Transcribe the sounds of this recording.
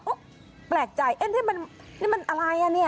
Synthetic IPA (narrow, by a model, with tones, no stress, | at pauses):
ʔo˦˥˩ | plɛː˨˩k̚t͡ɕa˨˩jʔe˧˥nt̪ʰiː˥˩ma˧n | nʰi˥˩ma˧nʔa˧ɾa˧ja˧˥˩ni˥˩ɐ